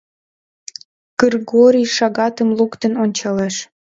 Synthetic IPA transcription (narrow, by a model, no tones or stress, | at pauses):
ɡ̥ərɡoɾʲijʃɑɣɑt̪əmlukt̪ənonʲt͡ɕɑleʃ